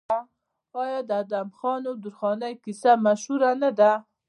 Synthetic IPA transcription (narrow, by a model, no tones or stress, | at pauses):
a | ɑjɑd̪əad̪amxɑnod̪uɾxɑnajkisamaʃhuɾanad̪a